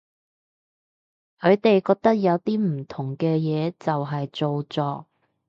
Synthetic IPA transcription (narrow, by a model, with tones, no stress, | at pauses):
kʰɵ˨˧˥ɥt̪e˨jkɔː˧k̚t̪ɐ˥k̚jɐ˨˧wt̪iː˥m̩˨˩t̪ʰʊ˨˩ŋkɛː˧jɛː˨˧t͡sɐ˨wɦɐ˨jt͡so˨wt͡sɔː˨˧